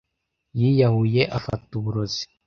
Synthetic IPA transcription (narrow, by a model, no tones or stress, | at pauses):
jijahuje̞ʔafa̰tuβuɾozi̥